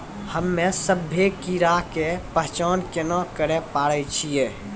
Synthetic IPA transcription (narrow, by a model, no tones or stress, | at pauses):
həmːesəbʱːekiɾakepəɦt͡ʃaːnkenakəɾepaɽət͡ʃʰije